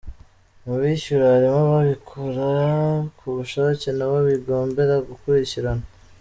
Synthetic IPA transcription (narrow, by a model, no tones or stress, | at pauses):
muβiʃuɾaaɾimoβaβikʰoɾakʰuβuʃacenaβoβiɡo̞ːmbe̞ɾaɡukuɾiciɾana